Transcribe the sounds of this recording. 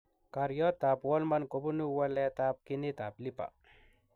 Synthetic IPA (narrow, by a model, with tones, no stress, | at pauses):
ka˨ɾjɔ˦t̪a˨pwɔ˦lmanko˨bu˦nu˦wa˦lɛ˦t̪a˦p̚kinit̪a˨pli˦pa̰˨